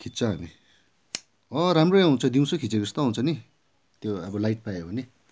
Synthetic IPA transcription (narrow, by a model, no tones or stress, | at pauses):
kʰitt͡sʰʌɦʌ̰ni | ʌ̃ɾamroaũnt͡sʰʌd̪iw̃sokʰit͡seɡʌst̪oɦũnt͡sʰʌni | t̪joʌbʌlajʈ̚pajoɦone